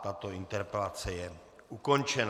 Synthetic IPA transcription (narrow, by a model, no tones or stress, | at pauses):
t̪at̪o̞int̪ɛɾpɛlat͡sɛjɛ | ʔuko̞nt͡ʃɛn